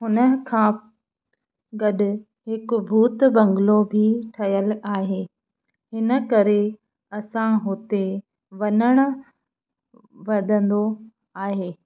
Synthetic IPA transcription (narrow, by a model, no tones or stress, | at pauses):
ɦʊnə̆kʰãː | ɡɐɗʊ | ɦɪkbʱuːt̪bɐ̃ŋɡlobʱɪʈʰɐjəlaːɦeː | hɪnə̆kɐɾe | ɐsãɦʊt̪e | ʋɐnəɽ̃ʊ̆ | ʋɐd̪ʱə̃nd̪o | aːɦeː